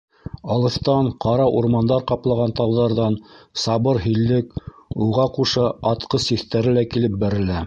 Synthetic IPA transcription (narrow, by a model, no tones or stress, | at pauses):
ɑlˠɤ̆θt̪ɑɴqʰɑɾɑʔuɾmɑnd̪ɑɾqɑplˠɑʁɑnt̪ɑwðɑɾðɑnsɑβɤɾɦɵ̆lːɘkuʁɑquʃɤɑt̪qɤsiθt̪æɾɘlækilɘp̚bæɾɘ̆læ